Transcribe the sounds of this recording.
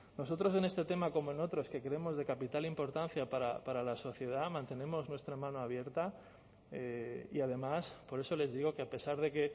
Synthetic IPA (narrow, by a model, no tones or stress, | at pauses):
no̞so̞t̪ɾo̞s̬e̞ne̞st̪e̞t̪e̞mako̞moeno̞t̪ɾo̞ske̞kɾeemo̞zðe̞kapit̪alimpo̞ɾt̪anθjapaɾa̰paɾalaso̞θje̞ð̞amãnt̪e̞ne̞mo̞znwest̪ɾamãno̞aβje̞ɾt̪a | eḭað̞e̞maspo̞ɾe̞so̞le̞zðiɣ̞o̞keape̞saɾð̞e̞ke̞